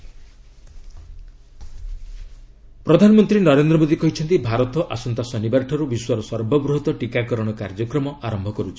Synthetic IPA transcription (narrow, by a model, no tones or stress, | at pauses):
pɾɔd̪ʱanɔmɔnt̪ɾinɔɾend̪ɾɔmod̪ikɔɦit͡ʃʰɔnt̪ibʱaɾɔt̪ɔʔasɔnt̪asɔnibaɾʈʰɔɾubiswaɾɔsɔɾbʱɔbɾuɦɔt̪ɔʈikakɔɾɔɽ̃ɔkaɾd͡ʒɔkɾɔmɔʔaɾɔmbʱɔkɔɾut͡ʃʰi̥